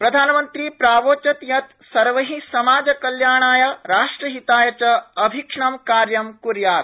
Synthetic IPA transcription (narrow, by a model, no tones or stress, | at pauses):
pɾɐd̪ʱaːnɐmɐnt̪ɾiːpɾaːʋoːt͡ʃɐt̪jɐt̪ | sɐɾʋɐɦĩsɐmaːd͡ʒɐkɐljaːɳaːjɐɾaːʂʈɾɐɦit̪aːjɐt͡ʃɐɐbʱikʂɳɐmkaːɾjɐmkuɾjaːt̪